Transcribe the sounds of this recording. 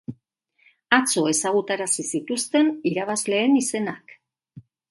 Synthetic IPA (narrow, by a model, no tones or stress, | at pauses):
at͡so̞e̞saɣut̪aɾasisit̪ust̪e̞niɾaβ̞azle̞ːnise̞nak